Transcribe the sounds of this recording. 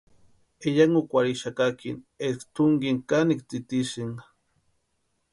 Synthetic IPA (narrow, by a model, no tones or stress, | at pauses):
eʎaŋukʷaɾiʃakakinekt̪uŋɡiŋkanikt̪it̪isiŋ